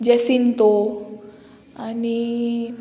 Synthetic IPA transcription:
d͡ʑesint̪o | ani

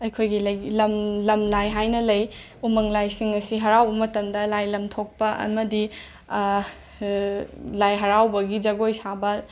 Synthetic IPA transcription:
ɐjkʰojɡilɐjlɐmlɐmlajɦajnɐlɐj | umɐŋlajsiŋɐsiɦɐɾawbɐmɐtɐmdɐlajlɐmtʰok̚pɐʔɐ̰mɐdi | lajɦɐɾawbɐɡid͡ʒɐɡojsabɐ

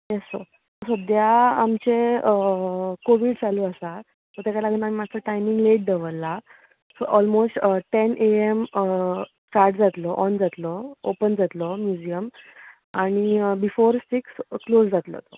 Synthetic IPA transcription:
jeso | t̪ɔsəd̪jaamt͡ɕe | koʋiːɖt͡saluəsa | t̪ɔɾt̪ekalaɡəːnam̤imat͡səʈajmĩŋɡleʈ̚d̪eʋəlːa | sɔʔɔlmosʈʈenʔeem | kaɾɖd͡zat̪lɔʔɔnd͡zat̪lɔopənd͡zat̪lɔmjud͡ʑijəm | aɽ̃ibifoɾsiksklosd͡zat̪lɔ̰t̪o

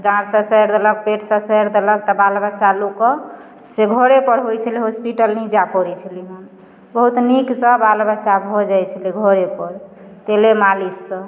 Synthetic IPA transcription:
d̪ãɾsə̃səjɾd̪ələɡ̚peʈʰsə̃səɾd̪ələɡ̚t̪ɔbalbət͡ʃalukɔ | seɡʱoɾepəɾɦojt͡ʃʰəliɦospiʈəlnid͡ʒapɔɾit͡ʃʰəliɦən | bəɦut̪niksə̃balbət͡ʃabʱod͡ʒajt͡ʃʰəliɡʱoɾepəɾ | t̪elemalisːə̃

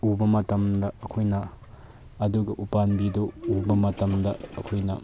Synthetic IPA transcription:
ubɐmɐtɐmdɐːkʰojnɐː | duɡɐʔupanbidoːbɐmɐtɐmdɐɐkʰojnɐ̰

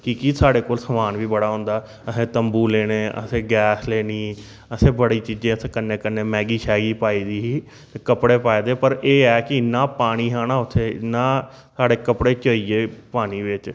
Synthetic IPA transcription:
kikɪsaːɽeːkoːlsəmaːnʋiːbəɽaːɦõːnd̪aː | əsẽːt̪əmbuːleːɽ̃eːʔə̰sẽːɡɛːsleːniː | əsẽːbəɽiːt͡ʃiːd͡ʒẽːəsekənːẽːkəneːmɛ̃ːɡiːʃɛːɡiːpaːiːd̪iːɦiː | kəpɽeːpaːid̪eːpəɾeːɛːkɪnaːpaːɽ̃iːɦaːnaːʊt̪ʰːeːnaː | saːɽeːkəpɽeːt͡ʃəiːeːpaːɽiːʋɪt͡ʃ

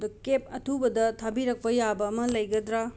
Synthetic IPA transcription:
dɐkep̚ɐtʰubɐdɐtʰabiɾɐk̚pɐjabɐːmɐlɐjɡɐd̪ɾa

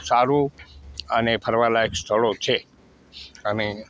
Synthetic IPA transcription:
saɾũ | ənepʰəɾʋalakst̪ʰəɭot͡ʃʰe | əne

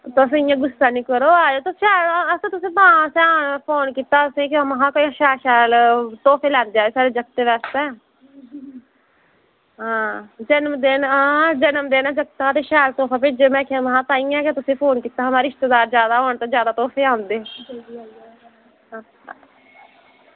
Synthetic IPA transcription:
t̪oəs̬ẽːɪjãːɡʊsaːnĩːkəɾoːaːoːt̪oːʃɛːləsẽːt̪ʊsẽːbãːsɛpʰoːnkiːt̪aːəsẽːkːməɦãːkoĩʃɛːʃɛːlt̪ɔːpʰeːlɛ̃ːnd̪eːaːoːsaːɾeːd͡ʒəkt̪eʋɛːst̪ɛ̃ː | ɦãːd͡ʒənəmd̪enãːd͡ʒənəmd̪eːnãd͡ʒəkt̪aːt̪eːʃɛːlt̪ɔːpʰaːpɪd͡ʒeːmɛ̃ːkɪmɦãːt̪ãːĩːãːkːt̪ʊsẽːpʰoːnkiːt̪aːɦəmaːɾiɪst̪ed̪aːɾd͡ʒjaːd̪aːɦoːɳt̪ãːd͡ʒjaːd̪aːt̪ɔːpʰeːãːnd̪eː | a | aː

